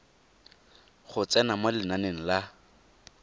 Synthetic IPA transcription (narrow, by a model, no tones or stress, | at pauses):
χʊt͡sʼɛnamolɪnaneŋ̩la